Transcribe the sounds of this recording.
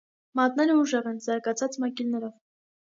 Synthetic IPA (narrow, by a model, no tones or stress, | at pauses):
mɑt̪nɛɾəuʒɛʁɛnzɑɾɡɑt͡sʰɑt͡smɑkilnɛɾɔv